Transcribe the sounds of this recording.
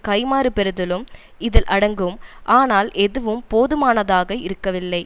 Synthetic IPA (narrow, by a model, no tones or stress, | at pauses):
kɐɪmaːɾɯpɛɾɯðɯlɯm | ɪðɪlʔɐɽɐŋɡɯmʔaːnaːlʔɛðɯʋɯmpoːðɯmaːnɐðaːɣɐɪɾɯkːɐʋɪlːɐɪ